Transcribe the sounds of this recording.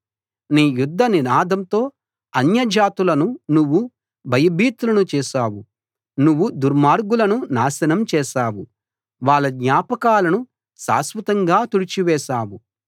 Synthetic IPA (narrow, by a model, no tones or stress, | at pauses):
niːjud̪ʱːɐninaːd̪ʱɐmt̪o̞ː | ɐnjɐd͡ʒaːt̪ulɐnunuʋːu | bʱɐjɐbʱiːt̪ulɐnut͡ʃɛːʃaːwu | nuʋːud̪uɾmaːɾɡulɐnunaːʃɐnɐmt͡ʃɛːʃaːwu | ʋaːɭːɐɡ̪ɲaːpɐkaːlɐnu | sa̰ːsʋɐt̪ɐŋɡaːt̪uɽit͡ʃiʋɛːʃaːwu